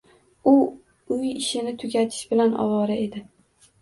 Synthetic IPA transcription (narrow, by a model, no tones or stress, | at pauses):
ʊ | ʊjɪʃɪnɪt̪ʰʊɡʲat̪ʰɪ̥ʃbɪlanʔɒ̰vɒɾae̞d̪ɪ